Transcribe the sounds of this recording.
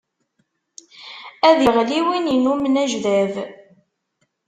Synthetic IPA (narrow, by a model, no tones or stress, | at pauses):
æðəʁliwininumnæʒðæv